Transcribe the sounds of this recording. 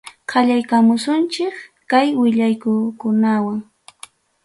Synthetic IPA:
qʰɑʎajkamʊsʊnt͡ʃɪkkajwɪʎajkʊkʊnawaŋ

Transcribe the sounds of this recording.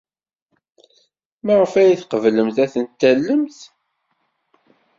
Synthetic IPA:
maʁəfæjiθqəvləmθæθənt̪ːælːəmθ

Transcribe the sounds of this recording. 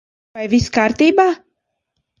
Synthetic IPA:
ajviskaːɾt̪iːbaː

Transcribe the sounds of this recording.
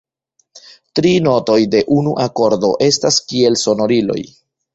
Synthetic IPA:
tɾino̞to̞jde̞ʔunuʔako̞ɾdo̞̰ʔe̞staskie̞lso̞no̞ɾilo̞̰j

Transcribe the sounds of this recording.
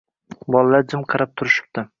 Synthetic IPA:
bɒlˠalaɾd͡ʒɪmqʰɑɾap̚t̪ʰʊɾɪʃɪ̥p̚t̪ɪ

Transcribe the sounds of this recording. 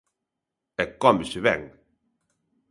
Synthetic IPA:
ɛkɔmɪsɪβɛ̰ŋ

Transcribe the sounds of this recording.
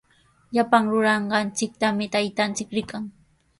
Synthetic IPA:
ʎapaŋɾʊɾɑɴɢɑnt͡sɪk̚t̪amɪt̪ajt̪ant͡sɪkɾɪkaŋ

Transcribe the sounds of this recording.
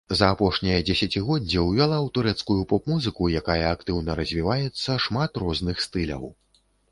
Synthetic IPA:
zɐːpɔʂnʲijɐd͡zʲɛsʲat͡sʲiɣɔdd͡zʲːɛwvʲalˠawt̪uɾɛt̪skujupɔpmuzɨkujakajɐak̚t̪ɨwnɐɾɐzʲvʲivajɛt̪sːɐʂmat̪rɔznɨxst̪ɨlʲɐ̰w

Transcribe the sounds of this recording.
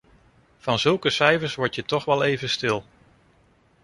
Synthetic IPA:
v̥ɑnzɵlˠkəsɛjvəɹsʋɔɹtjətɔχʋɛlˠejvəstɪlˠ

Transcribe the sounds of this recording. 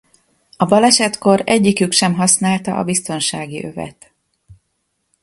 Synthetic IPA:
ɒbɒlɛʃɛt̪ko̞ɾɛɟːikykʃɛmɦɒsnaːlt̪ɒʔɒ̰bist̪o̞nʃaːɡiʔø̞vɛ̰t̪

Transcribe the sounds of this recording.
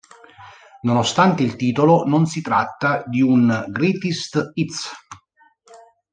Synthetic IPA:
nonost̪ant̪eilt̪iːt̪olononsit̪ɾat̪ːad̪iunɡɾit̪ist̪it̪s

